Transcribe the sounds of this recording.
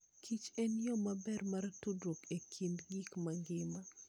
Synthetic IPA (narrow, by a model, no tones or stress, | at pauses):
kʰit͡ʃɛnjɔmabɛrmartudɾokekʰindɡikmaŋɡɪma